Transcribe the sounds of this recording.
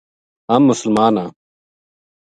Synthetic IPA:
ɐmːʊsəlmaːnaː

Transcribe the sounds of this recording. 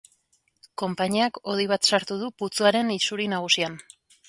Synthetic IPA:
ko̞mpaɲiako̞ðiβ̞at̪saɾt̪uð̞uput͡suaɾe̞nisuɾinaɣ̞usian

